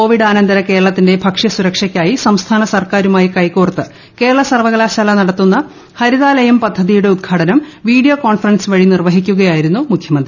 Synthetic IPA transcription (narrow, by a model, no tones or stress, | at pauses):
koːʋiɖaːnɐnd̪ɐɾɐke̞ːɾɐɭɐt̪ːinde̞bʱɐkʂjɐsuɾɐkʂɐkʲːaːjisɐmst̪ʰaːnɐsɐrkaːɾumaːjikɐjkuːrɐt̪ːɨ | ke̞ːɾɐɭɐsɐrʋɐɣɐɭaːɕaːlɐnɐɽɐt̪ːunːɐ | hɐɾiðaːlɐjɐmpɐd̪ʱːɐðijuɽe̞ud̪ɡʰʱaːʈɐnɐmʋiːɽijoko̞ːnfɐrɐnsʋɐɻinirʋɐɦikʲːuɣɐjaːjiɾunːumukʰjɐmɐnd̪ri